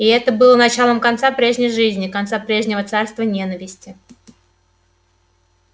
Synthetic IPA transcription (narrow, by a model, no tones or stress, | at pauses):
ɪɛt̪əbɨlˠənɐt͡ɕalˠəmkɐnt̪sapɾʲe̞ʐnʲɪjʐɨzʲnʲɪkɐnt̪sapɾʲe̞ʐnʲɪvət̪sarst̪vənʲe̞nəvʲɪsʲtʲɪ